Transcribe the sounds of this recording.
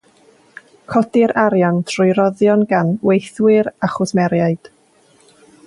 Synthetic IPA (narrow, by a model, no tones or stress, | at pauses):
kʰɔdɪɾʔaɾjantʰrʊjɾɔðjɔnɡanwejθwɪɾaχʊsmɛɾjajd̥